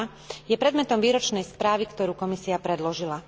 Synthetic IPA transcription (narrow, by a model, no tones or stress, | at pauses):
jɛpɾɛd̪mɛt̪ɔmʋiːɾɔt͡ʃnɛjspɾaːʋikt̪ɔɾuːkɔmisiapɾɛd̪lɔʒila